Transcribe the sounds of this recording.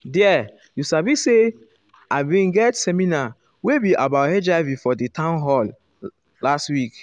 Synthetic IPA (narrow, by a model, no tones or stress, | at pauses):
dɛ | jusabise | aɪbĩnɡɛtsɛmina | webiʔabaʊthɛd͡ʒavifɔditãʊnɦɔl | lastwik